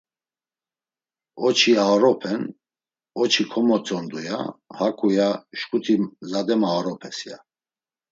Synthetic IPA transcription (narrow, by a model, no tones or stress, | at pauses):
ɔt͡ʃʰiaɾɔpʰɛn | ɔt͡ʃʰikʰɔmɔt͡sʼɔnd̪uja̰hakʰʼujaʃkʼut̪ʰimzad̪ɛmaɾɔpʰɛsja